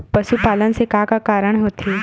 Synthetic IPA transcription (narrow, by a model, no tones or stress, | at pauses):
pəʃupaːlənsekaːkakaːɾəɽ̃ɦoːt̪eː